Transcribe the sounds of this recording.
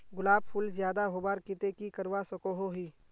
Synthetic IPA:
ɡʊlaːb̚pʰʊlzjaːd̪aɦobaːɾkɪt̪ekikɐɾʋasɐkoɦoɦiː

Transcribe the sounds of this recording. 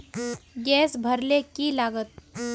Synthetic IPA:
ɡɛːsbʱəɾlekilaːɡət̪̚

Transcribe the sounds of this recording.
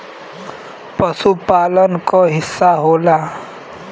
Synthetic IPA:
pəsupalənkɔɦɪsːaɦoːla

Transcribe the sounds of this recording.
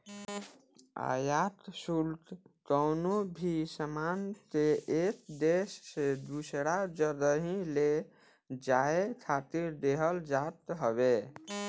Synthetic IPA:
a̰jat̪sult̪t̪əwnobʱisəmant̪eekd̪esːed̪usɾad͡ʒəd̪əɦĩle | d͡ʒaekʰat̪iɾd̪eɦəld͡ʒat̪ɦəβe

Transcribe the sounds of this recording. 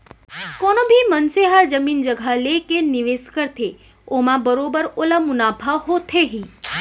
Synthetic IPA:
kɔnobʱimənseɦad͡ʒəmind͡ʒəɡʱalekeniʋeskəɾt̪ʰe | omãbəɾobəɾolamunapʰaɦot̪ʰeɦi

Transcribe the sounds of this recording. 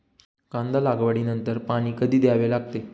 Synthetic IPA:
kãnd̪alaɡʋaɽiːnənt̪əɾpaɽ̃iːkəd̪iːd̪jaʋelaɡ̚t̪e

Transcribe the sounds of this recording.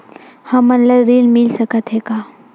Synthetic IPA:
hɐmːɐnləɾɾiːnmɪlsəkət̪ɦɛkaː

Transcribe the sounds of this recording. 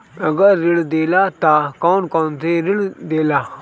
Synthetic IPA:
ɐɡəɾːɪɽd̪eːlat̪akɔːnkoːnt̪eɾɪɽd̪eːlaː

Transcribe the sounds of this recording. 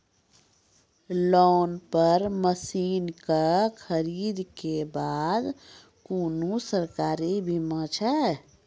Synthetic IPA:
lɔːnpəɾməsiːnkəkʰəɾiːd̪kebaːd̪ | kuːnusəɾkaːɾibʱimə̃t͡ʃʰɛ

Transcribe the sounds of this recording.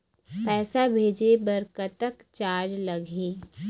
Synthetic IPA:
pɛːsabʱeːd͡ʒebɐɾkət̪əkt͡ʃaːɾd͡ʒlɐɡĩː

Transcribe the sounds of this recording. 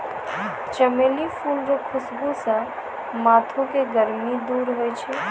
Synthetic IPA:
t͡ʃəmeːlipʰuːlɾokʰʊsbusə̃ | maːt̪ʰõkeɡəɾmid̪uːɾɦojt͡ʃʰɛ

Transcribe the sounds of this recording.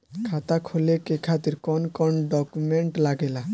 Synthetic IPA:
kʰat̪akʰolekekʰat̪iɾkɔnkɔɳɖɔkumeɳʈlaɡela

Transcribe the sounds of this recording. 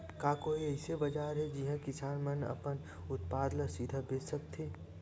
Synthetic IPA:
kaːkoːiɛɪsebɐd͡ʒaːɾɦɛd͡ʒiɦãkɪsaːnmɐnɐ̰pən | ʊt̪paːd̪lasid̪ʱabeːsɐk̚t̪ʰeː

